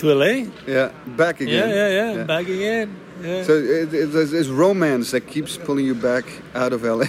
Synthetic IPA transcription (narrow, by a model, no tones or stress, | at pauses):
tʰɛlejæbækɨɡɛ̃njæjæjæbæɡɨŋɛ̃n | jæsoʊɪzɪsɹõʊmæ̃nsðɨt̚kʰipspʰʊlˠɪ̃ŋjɨbæk | aʊɾʌvɛlˠe